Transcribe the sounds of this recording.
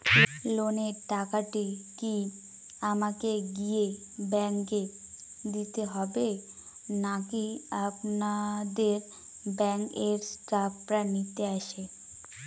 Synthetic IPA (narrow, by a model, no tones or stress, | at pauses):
loneʈakaʈiki | amakeɡije | bɛŋke | d̪it̪eɦɔbe | nakiapnad̪eɾ | bɛŋkeɾskapɾanit̪eaʃe